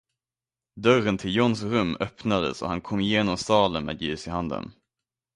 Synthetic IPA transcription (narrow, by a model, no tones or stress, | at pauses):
d̪œrənt̪ʰɪljɔnsɾɵmːœpnad̪ə̰sɔ̰hankʰɔmːjeːnɔmsɑːlənmɛ̰ːd̪jʉːsɪhand̪ə̰n